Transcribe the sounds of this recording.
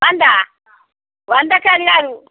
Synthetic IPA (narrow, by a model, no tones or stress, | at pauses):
wand̪a | wand̪akaliɾaɾu